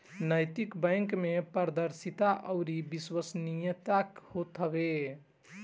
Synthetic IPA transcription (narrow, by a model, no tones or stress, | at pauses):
nəjt̪ikbəjŋkmepəɾd̪əɾsit̪aʔəɾibiswəsnijət̪akhot̪ʰəbe